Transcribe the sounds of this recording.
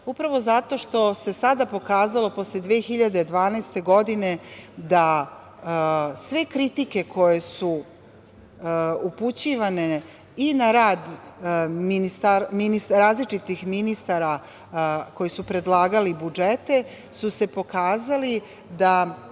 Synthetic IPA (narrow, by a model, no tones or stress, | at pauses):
upɾaʋo̞zat̪o̞ʃt̪o̞se̞sad̪apo̞kaːzalo̞po̞sled̪ʋeːxiʎad̪ed̪ʋaːnast̪e̞ɡo̞d̪ine̞d̪a | sʋe̞kɾit̪ike̞kʰo̞je̞su | uput͡ɕiʋane̞ | inaɾaːd̪ | minist̪aɾminisɾaːzlit͡ʃit̪ixminist̪aɾa | ko̞jisupɾe̞d̪lˠaːɡalibud͡ʒet̪e̞ | suse̞po̞kaːzali | d̪a